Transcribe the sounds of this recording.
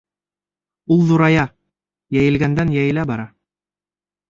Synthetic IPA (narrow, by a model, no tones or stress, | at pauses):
ulˠðuɾɑjɑ | jæjɘ̆lɡænd̪ænjæjɘ̆læbɑɾɑ